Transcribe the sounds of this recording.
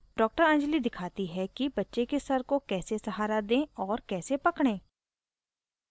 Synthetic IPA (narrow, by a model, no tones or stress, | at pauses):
ɖɔːk̚ʈəɾɛ̃ːnd͡ʒlid̪ɪkʰaːt̪iɦɛkibɐtːʃekesɐɾkokɛːsesɐɦaːɾad̪ẽːɔːɾkɛːsepɐkɽ̃ẽː